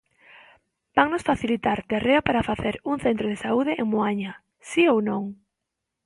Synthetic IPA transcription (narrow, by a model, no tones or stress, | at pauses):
b̥aŋnosfaθilit̪aɾt̪ereapaɾafaθeɾuŋθent̪ɾoð̞esauð̞eʔeŋmoaɲa | siownõŋ